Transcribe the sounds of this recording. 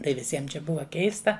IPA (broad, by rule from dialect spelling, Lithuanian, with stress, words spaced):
tɐɪ ʋʲɪˈsʲiɛm t͡ʃʲɛ ˈbʊʋɐ ˈkʲɛɪstɐ